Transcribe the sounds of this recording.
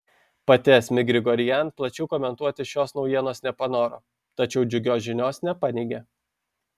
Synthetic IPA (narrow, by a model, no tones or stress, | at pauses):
pɐt̪ʲɛsʲmʲɪɡɾʲɪɡɔɾʲɪjɛnplˠɐt͡ʃʲɛʊkɔːmʲɛnt̪uɔt̪ʲɪʃʲoːsnɒʊjiɛnoːsnʲɛpɐnoːɾo̰ː | t̪ɐt͡ʃʲɛʊd͡ʒʲʊɡʲoːsʒʲɪnʲoːsnʲɛpɑnʲɛɪɡʲe